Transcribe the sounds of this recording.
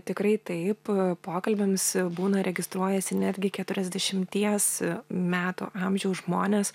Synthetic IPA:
t̪ʲɪkɾɐɪt̪ɐɪppoːkɐlʲbʲɛmsbuːnɐɾʲɛɡʲɪst̪ɾuɔjɛsʲɪnʲæd̪ʲɡʲɪkʲɛt̪ʊɾʲɛzʲd̪ʲɛʃʲɪmʲt̪ʲiɛsmʲæːt̪ṵːʔɑmʲʒʲɛʊsʒmoːnʲeːs

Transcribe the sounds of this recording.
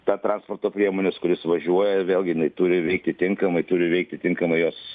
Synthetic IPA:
t̪ɑːt̪ɾɑːnspoːrt̪oːpʲɾʲiɛmoːnʲɛskʊɾʲɪsʋɐʒʲuɔjɛʋʲeːlʲˠɡʲɪjɪnɐɪt̪uːɾʲɪʋʲɛɪk̚t̪ʲɪt̪ʲɪŋkɐmɐɪt̪ʊɾʲɪʋʲɛɪk̚t̪ʲɪt̪ʲɪŋkɐmɐɪjoːs

